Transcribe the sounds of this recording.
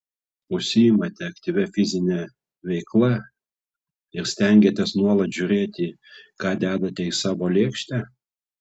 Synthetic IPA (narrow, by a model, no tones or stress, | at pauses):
ʊʃʲsʲɪjɪmɐt̪ʲɛɐkt̪ʲiːʋʲɛfʲɪzʲɪnʲɛ | ʋʲɛɪklˠɐ | ɪɾsʲt̪ʲɛŋʲɡʲeːt̪ʲɛsnuɔlˠɐt̪ʒʲʊɾʲeːt̪ʲɪ | kɑːd̪ʲæːd̪ɐt̪ʲɛɪsɑːʋoːlʲeːkʃʲt̪ʲæ